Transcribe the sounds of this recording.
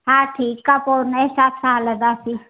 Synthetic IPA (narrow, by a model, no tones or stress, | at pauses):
ɦãːʈʰiːkːapoːɾnesaːt̪ʰsaːɦləd̪aːsi